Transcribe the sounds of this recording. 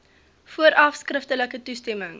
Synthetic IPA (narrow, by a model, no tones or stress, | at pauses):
fuəɾʔɐfskrəftələkətustɛməŋ